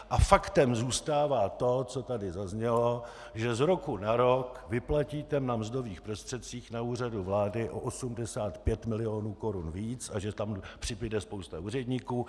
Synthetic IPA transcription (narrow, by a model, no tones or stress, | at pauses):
ʔafakt̪ɛmzuːst̪aːvaːt̪o̞t͡so̞t̪adɪzazɲɛlo̞ | ʒɛzɾo̞kunaɾokvɪplaciːt̪ɛnamzdo̞viːxpɾost̪r̥ɛt̪̚t͡siːxnauːr̝aduvlaːdɪʔo̰ʔosumdɛsaːt̪pjɛt̪mɪlɪo̞ːnuːko̞ɾunviːt͡saʒɛt̪ampr̥ɪbɪdɛspowst̪auːr̝ɛdɲiːkuː